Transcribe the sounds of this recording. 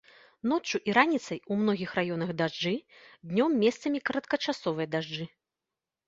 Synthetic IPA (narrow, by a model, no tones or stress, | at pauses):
nɔt͡ʂːuʔiɾanʲit̪sɐjumn̪ɔɣʲixrajɔnɐɣd̪aʐd͡ʐɨd̪ʲnʲɔmːʲɛst̪sɐmʲikɐɾɐt̪kɐt͡ʂasɔvɨjɐd̪aʐd͡ʐɨ